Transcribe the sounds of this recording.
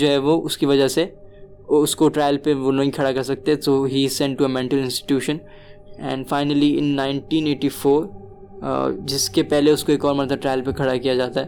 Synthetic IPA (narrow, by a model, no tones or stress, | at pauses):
d͡ʒoːɦɛʋoʔʊskiʋɐd͡ʒəɦse | ʊskoʈɾaːɪlpeʋonɐ̃ɦĩkʰɐɽakɐɾsɐk̚t̪eɦɛ̃soːɦizsɛ̃ɳʈːuemɛ̃ɳʈəlɪ̃nsʈɪ̥ʈjuːʃə̃n | ɛ̰̃ːɳɖfaɪnəliɪ̰̃nːãɪ̃ɳʈĩːneːʈifoːɾ | d͡ʒɪskepɛɦleʊskoeːkɔːɾmɐnt̪əʈɾaːɪlpekʰɐɽakijad͡ʒaːt̪aɦɛ